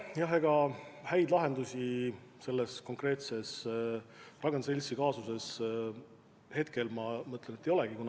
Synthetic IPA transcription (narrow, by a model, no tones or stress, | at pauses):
jɑɦeɡ̥ɑhæjd̪lɑɦe̞nd̪usʲise̞lːesko̞ŋkre̞ːt̪se̞s | rɑɡ̥enselʲsikɑːsuse̞s | he̞t̪ke̞lmɑmɤt̪ːˑlenet̪ːˑejo̞leɡ̥ikun